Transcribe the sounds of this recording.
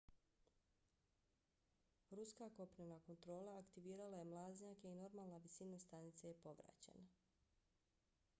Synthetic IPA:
ɾuskako̞pɾenako̞nt̪ɾo̞ːlˠaːkt̪iʋiːɾalajemlˠaːzɲakeino̞ɾmaːlˠnaʋisinast̪anit̪sajepo̞ʋɾa̰t͡ɕḛna

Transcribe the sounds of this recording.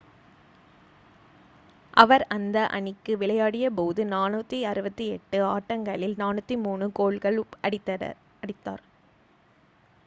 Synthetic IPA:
ʔɐʋɐɾɐnd̪ɐʔɐ̰ɳɪkːɯʋɪɭɐjaːɽɪjɐpoːðɯnaːnɯt̪ːiɐɾɯbɐt̪ːiɛʈːɯaːʈːɐŋɡɐɭɪlnaːnɯt̪ːimuːɳɯkoːɭɣɐɭɐɪ | ɐɽɪt̪ːa̰ːɾ

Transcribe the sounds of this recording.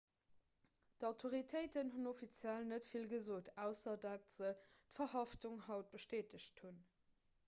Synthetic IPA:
d̥ɑʊtʰoʁitʰəɪtənɦunofit͡sjælnətfilɡəzoːtʰæʊsɐdatz̥ətfɐhɑftuŋhɑʊt̚b̥əʃteːtəɕthun

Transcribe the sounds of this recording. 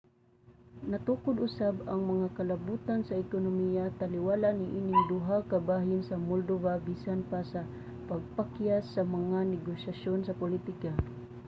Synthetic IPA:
nɐt̪uːkʊd̪ʊsabɐŋmɐŋakɐlɐbuːt̪ansɐɪkʊnʊmijat̪alɪwaːlanɪʔiːnɪŋd̪ʊɦakɐbaːɦɪnsɐmold̪ovabiːsanpasɐ | pɐɡ̚pakjasɐmɐŋanɛɡoʃaʃonsɐpʊlit̪ɪka

